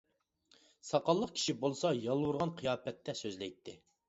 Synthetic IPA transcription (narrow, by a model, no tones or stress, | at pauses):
sɑqɑlˠːəqkʲʰi̥ʃibolˠsɑjɑlˠwuɾʁɑnqʰijɑːpɛt̪ʰːɛsøzlɪjt̪ʰːɪ